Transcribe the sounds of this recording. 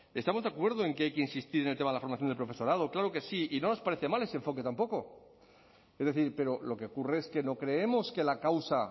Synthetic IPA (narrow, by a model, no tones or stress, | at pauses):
e̞st̪amo̞zð̞akwe̞ɾð̞oeŋke̞ajkeinsist̪iɾenelt̪eaðelafo̞ɾmaθjonepɾofesoɾað̞o̞klaɾo̞ke̞siino̞no̞spaɾe̞θe̞male̞seɱfo̞ke̞t̪ampo̞ko̞ | e̞zðe̞θiɾpe̞ɾo̞lo̞ke̞okureeske̞no̞kɾe̞emo̞ske̞lakawsa